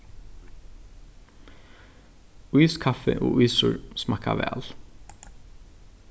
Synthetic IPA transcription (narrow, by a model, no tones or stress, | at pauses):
yːskʰɑfəʔoːʔyːsʊɹsmɑkɑʋæ̰ːl